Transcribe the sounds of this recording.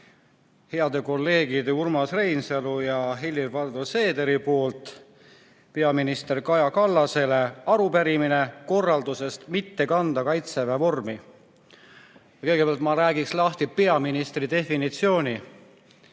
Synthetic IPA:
he̞ɑd̪e̞ko̞lːe̞ːɡ̥id̪eurmɑsrejnselujɑɦilːirvɑrd̪ose̞ːd̪e̞ɾipo̞ːlt̪ˑ | pe̞ɑminist̪e̞rkɑjɑkɑlːɑse̞le̞ɑɾupæɾimine̞ko̞rːɑld̪use̞st̪mit̪ːe̞kɑnd̪ɑkɑjt̪sevɑvo̞rmi | jɑkɤ̞ɡ̥e̞pɑlt̪mɑɾæːɡikslɑht̪ipe̞ɑminist̪rid̪e̞finit̪sio̞ːnʲi

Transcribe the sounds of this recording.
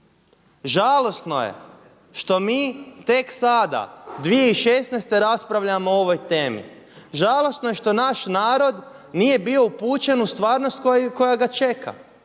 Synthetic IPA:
ʒalˠo̞st̪no̞̰jḛ | ʃt̪o̞miːt̪e̞ksad̪a̰d̪ʋije̞iʃesnejst̪e̞ɾaspɾaʋʎamooʋo̞jt̪e̞ːmḭ | ʒalˠo̞snoje̞ʃt̪o̞naʃnaːɾo̞d̪ | nije̞bio̞upuːt͡ʃe̞nust̪ʋaːɾnost̪kko̞jaɡat͡ʃe̞kʰa̰

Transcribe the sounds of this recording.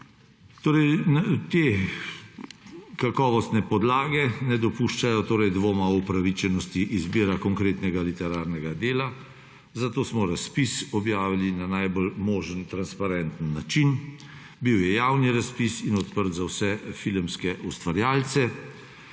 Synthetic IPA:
t̪oːɾɛjt̪eː | kakɔːʋɔst̪nɛpɔd̪laːɡɛnɛd̪ɔpuʃt͡ʃajɔt̪oːɾɛjd̪ʋoːmaupɾaʋit͡ʃɛnɔst̪iʔizbiːɾakɔŋkɾeːt̪nɛɡalit̪ɛɾaːɾnɛɡad̪eːla | zat̪oːsmɔɾaspisɔbjaːʋilinanajbɔlmoːʒənt̪ɾanspaɾɛnt̪ənːat͡ʃin | biwjɛjaːwniɾaspisinɔt̪pəɾt̪zawsɛfilmskɛʔust̪ʋaɾjaːlsɛ

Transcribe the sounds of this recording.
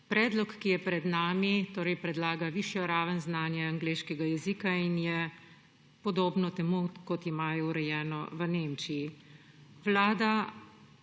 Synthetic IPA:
pɾɛːd̪lɔkːijɛpɾɛd̪naːmit̪oːɾɛjpɾɛd̪laːɡaʋiʃjɔɾaːʋənznaːnjɛaŋɡleːʃkɛɡajɛzikainjɛ | pɔd̪oːbnɔt̪ɛmukɔt̪imaːjɔuɾɛjɛːnɔʋəneːmt͡ʃiji | ʋlaːd̪a

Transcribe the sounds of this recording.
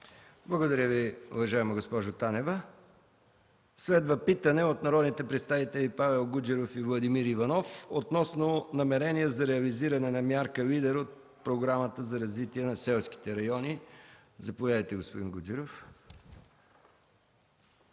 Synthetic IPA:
blˠɐɡod̪ɐɾʲəviʊ̰vɐʒaɛmɐɡospɔʒot̪anɛvə | svɛd̪vəpit̪ənɛot̪nɐɾɔd̪nit̪ɛpɾɛt̪st̪avit̪ɛlipavɛlˠɡud͡ʒɛɾofivlˠɐd̪imiɾivɐnɔfot̪nɔsnonɐmɛɾɛnijəzɐɾɛɐliziɾɐnɛnɐmʲjaɾkəlid̪ɛɾot̪̚ | pɾoɡɾamət̪əzɐɾɐzvit̪iɛnɐsɛlˠski̥t̪ɛɾɐjɔni | zɐpovʲjad̪əjt̪ɛɡospod̪inɡud͡ʒɛɾof

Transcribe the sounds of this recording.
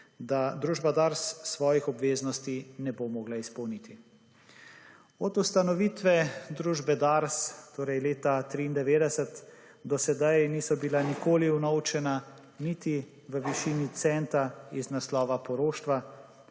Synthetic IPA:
d̪ad̪ɾuːʒbad̪aɾsːʋɔːjixɔbʋeːznɔst̪inɛbomɔːɡlaispɔwnit̪i | ɔd̪ust̪anɔʋiːt̪ʋɛd̪ɾuːʒbɛd̪aɾst̪oːɾɛjleːt̪at̪ɾiːnd̪ɛʋeːd̪ɛsɛt̪ | d̪ɔsɛd̪ajniːsɔbilanikoːliwnɔwt͡ʃɛna | nit̪i | ʋəʋiʃiːnit̪sɛnt̪aiznaslɔːʋapɔɾoːʃt̪ʋa

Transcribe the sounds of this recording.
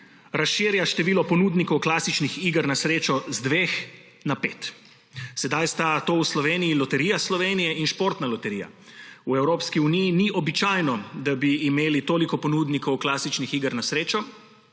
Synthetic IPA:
ɾasʃiːɾjaʃt̪ɛʋiːlɔpɔnuːd̪nikɔwklaːsit͡ʃnixiːɡəɾnasɾeːt͡ʃɔzd̪ʋeːx | napeːt̪ | sɛd̪ajst̪at̪oːwslɔʋeːnijilɔt̪ɛɾiːjaslɔʋeːnijɛinʃpoːɾt̪nalɔt̪ɛɾiːja̰ | uɛwɾoːpskiunijiniʔɔbit͡ʃajnɔd̪abiːmeːlit̪oːlikɔpɔnuːd̪nikɔwklaːsit͡ʃnixiːɡəɾnasɾeːt͡ʃɔ

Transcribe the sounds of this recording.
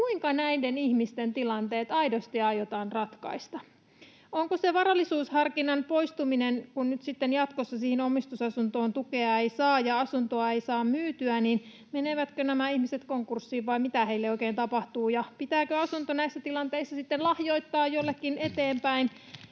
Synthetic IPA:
kuiŋkɑnæidenihmist̪ent̪ilɑnt̪e̞ːt̪ɑidost̪iɑjot̪ɑːnrɑt̪kɑ̰ist̪ɑ | oŋkoseʋɑɾɑlːisuːshɑrkinɑnpo̞ist̪uminenkunnyt̪sit̪ːenjɑt̪kosːɑsihinomist̪usɑsunt̪o̞ːnt̪ukeɑe̞isɑːjɑɑsunt̪oɑeisɑːmmyːt̪yænin | meneʋæt̪kønæmæihmiset̪koŋkursːiːʋʋɑimmit̪æhe̞ilːeoikeːnt̪ɑpɑht̪uːjɑpit̪æːkøɑsunt̪onæisːæt̪ilɑnt̪e̞isːɑsit̪ːenlɑhjo̞it̪ːɑːjolːekːinet̪eːmpæin

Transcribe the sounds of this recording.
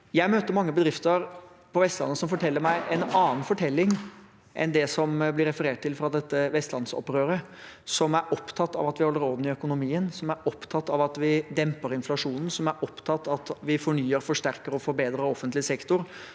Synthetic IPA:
jæɪmøːt̪əɾmɑŋːəbəd̪ɾɪft̪əɾ | pʰɔʋɛst̪lɑ̰nːəsɔmfɔʈʰɛlːəɾmæɪʔɛnɑːn̩fɔʈʰɛlːɪŋ | ʔɛ̰nd̪ɛsɔmblɪɾɛfəɾeːʈ̚t̪ʰɪlfɾɑd̪ɛt̪ːəʋɛst̪lɑnsɔ̰pɾøːɾə | sɔmæɾɔpt̪ʰɑt̪ːɑ̰ʋɑt̪ʋɪhɔlːəɾoːd̪n̩ɪœkʊnʊmiːənsɔmæɾɔpt̪ʰɑt̪ːɑʋɑt̪ʋɪd̪ɛmpəɾɪnflɑʂuːnn̩sɔmæɾʔɔpt̪ʰɑt̪ːɑt̪ʋɪfɔɳyːəɾfɔʂʈæɾkəɾɔfɔɾbeːd̪ɾəɔfːənt̪lɪsɛkt̪ʊɾ

